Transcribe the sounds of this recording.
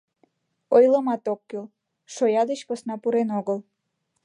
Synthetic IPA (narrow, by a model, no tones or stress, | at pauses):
ojləmɑt̪okːøl | ʃojɑd̪et͡ɕkosnɑpuɾenoɣəl